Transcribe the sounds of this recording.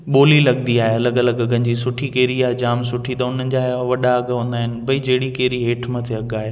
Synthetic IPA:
ɓoːlilɐɡnd̪iaːɦeɐləɡɐləɡɡənɪ̆d͡ʑiːsʊʈʰikeːɾiaːɦed͡ʑaːmsʊʈʰit̪ɐʊn̤ənɪ̆d͡ʑaːʋɐɗaɐɡɦõːnd̪aːɦɪnɪ̆bɐid͡ʑɐɦɪɽikeːɾiɦeːʈʰmɐt̪ʰeɐɡaːɦe

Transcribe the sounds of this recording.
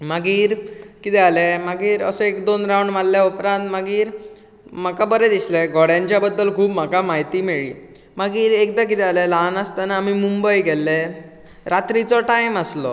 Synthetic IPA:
maɡiːɾkit̪ɛalɛmaɡiːɾə̰səekd̪onɾawɳɖmalljaupɾãnt̪maɡiːɾ | m̤akabəɾɛd̪islɛɡʱɔɽjãɲt͡ɕjabəd̪ːəlkʰuːbm̤akamaɦjt̪iːmeɭḭː | maɡiːɾek̚d̪ak̬it̪ɛalɛlanəst̪anaːmimumbəjɡɛlːɛ | ɾat̪ɾit͡sɔʈajməslɔ̰

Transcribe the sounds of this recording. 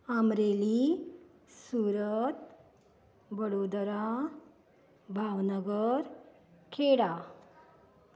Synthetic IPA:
əmɾeli | suɾət̪ | bəɽod̪ɾa | bʱaʋnəɡəɾ | kʰeɽa

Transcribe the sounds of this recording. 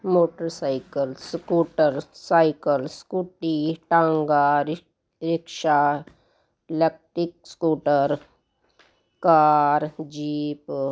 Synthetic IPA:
moːʈəɾsaːɪkəlskuːʈəɾsaːɪkəlskuʈiʈãŋɡaɾ | ɾɪkʃa | lek̚ʈɾik̚skuːʈəɾ | kaːɾd͡ʒiːp

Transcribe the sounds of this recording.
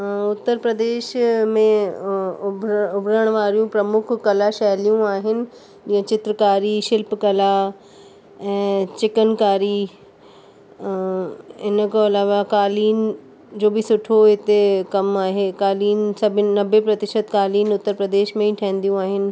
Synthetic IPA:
ʊt̪ːəɾpɾəd̪eːʃmẽ | bʱʊbʱɾəɽ̃ʋaːɾijũpɾɐmʊkʰːɐlaʃɛɦlijũaːɦɪnɪ̆ | d͡ʑiːə̃t͡ɕɪt̪ɾəkaːɾiʃɪlpkɐla | ɛ̃ːt͡ɕɪkənkaːɾi | ɪnəkʰəɐlaːʋakaːliːn | d͡ʑoːbɪsʊʈʰoɦɪt̪ekɐmaːɦeːkaːliːnsɐbʱɪnɐbʱepɾɐt̪ɪʃət̪kaːliːnʊt̪ːəɾpɾəd̪eːʃmẽĩʈʰɛɦːn̆d̪ijũaːɦɪnɪ̆

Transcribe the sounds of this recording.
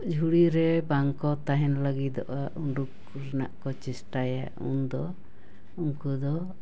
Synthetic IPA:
d͡ʒʱuɽiɾɛbaŋkɔt̪aɦɛnləɡid̪ɔ̰ʔaʔuɳɖuk | ɾɛna̰ʔkɔt͡ʃɛsʈaja̰ | ṵnd̪ɔ | uŋkud̪ɔ

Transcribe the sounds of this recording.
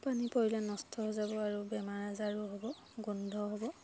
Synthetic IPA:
panipoɹilɛnɔstʰɔɦɔzabɔaɹubɛmaɹazaɹuɦɔbɔ | ɡundʱɔɦɔbɔ

